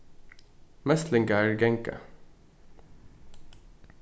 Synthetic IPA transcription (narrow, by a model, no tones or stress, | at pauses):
mɛst̪lɪŋkəæːɹɡɛŋkə̰